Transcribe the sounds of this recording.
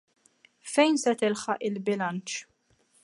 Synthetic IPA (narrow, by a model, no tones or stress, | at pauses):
fɛjnsɛt̪ɪlħɐʔɪlbɪlɐnt͡ʃ